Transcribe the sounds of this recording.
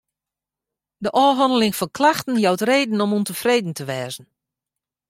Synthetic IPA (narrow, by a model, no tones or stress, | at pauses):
dəʔɔːɦɔndəlɪŋfɔnklaxtən̩jawtreːdn̩ɔmuntəfreːdn̩təʋɛːzən̩